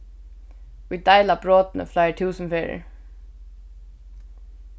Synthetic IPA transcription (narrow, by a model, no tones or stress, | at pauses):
iːd̪aɪlabɹɔːt̪nə̰flaɪʈ̪ʰʉːsmfeːɹə̰ɹ